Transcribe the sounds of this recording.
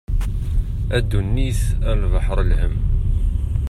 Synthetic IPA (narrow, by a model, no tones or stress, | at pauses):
æd̪ːunːiθælvɑħɾˤlhəm